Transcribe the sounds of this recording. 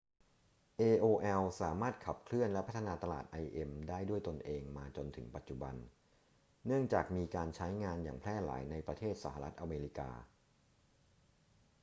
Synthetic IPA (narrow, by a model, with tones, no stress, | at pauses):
ʔeː˧ʔoː˧ʔɛ˧wsaː˩˦maː˥˩t̪̚kʰa˨˩p̚kʰlɯ˥˩ənlɛ˦˥pʰt̪ʰa˧naː˧t̪a˧la̰ː˨˩t̪̚ʔa˧jʔe˧mdaː˥˩jdu˥˩əjt̪o˧nʔeː˧ŋmaː˧t͡ɕo˧nt̪ʰɯ˩˦ŋpa˨˩t̪̚t͡ɕu˨˩ba̰˧nː | ɯ˥˩əŋt͡ɕaː˨˩k̚miː˧kaː˧nt͡ɕʰa˦˥jŋaː˧njaː˨˩ŋpʰlɛː˥˩la̰ː˩˦jna˧jpɾa˧t̪ʰeː˥˩t̪̚sa˧˩ɦa˧ɾa˦˥t̪̚ʔa˧meː˧ɾi˦˥ka̰ː˧